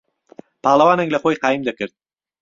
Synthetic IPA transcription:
pʰaʁlˠavanaŋlaqojqɑjɪmd̪akʲʰɪɾt̪̚

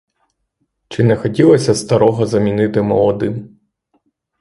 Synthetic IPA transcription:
t͡ʃɪnɛxɔtʲilˠɔsʲɐst̪ɐɾɔɦɔzɐmʲinɪt̪ɪmɔlˠɔd̪ɪm

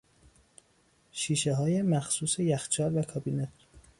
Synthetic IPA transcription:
ʃiːʃeɦɒːje̞mæxsuːse̞jæxt͡ʃʰɒːɾvækʰɒbiːnet̪ʰ

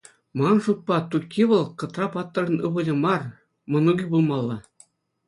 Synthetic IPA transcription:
mɑnʂup̚pːɑt̪ukʲʰːiʋɤ̆lˠkɤ̆t̪rɑpɑt̪ːɤ̆rɤ̆nɯʁɤ̆lʲɤ̆mɑr | mɤ̆nuɡʲibulˠmɑlˠːɑ

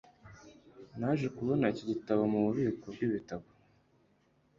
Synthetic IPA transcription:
naʒekuβo̞naiciɟitaβamuβuβiːkoɡiβitaβo

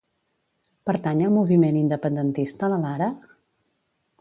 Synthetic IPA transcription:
pəɾt̪aɲəlˠmuβimenind̪əpənd̪ənt̪ist̪ələlaɾə

